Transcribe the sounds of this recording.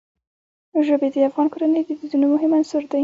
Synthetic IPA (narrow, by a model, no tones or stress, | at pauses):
ʒəbed̪əafɣɑnkoɾanəjd̪əd̪id̪unomʊɦɪmansʊɾd̪a